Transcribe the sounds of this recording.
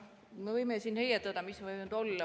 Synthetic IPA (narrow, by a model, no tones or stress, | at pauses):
mevɤjmesiːnhejɑt̪ːˑɑd̪ɑmismevɤjnud̪̥o̞lːɑ